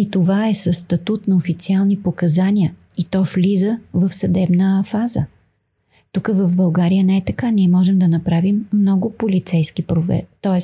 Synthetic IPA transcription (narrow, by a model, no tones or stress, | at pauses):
it̪ovaɛsəsːt̪ɐt̪ut̪nɐofit̪sialˠnipokɐzaniə | it̪ɔflizəvəfsɐd̪ɛbnəfazə̰ | t̪ukəvɐvbɐlˠɡaɾijənɛɛt̪ɐkaniɛmɔʒɛmd̪ɐnɐpɾavimːnɔɡʊpolit̪sɛjskipɾovɛ̰t̪ɔɛs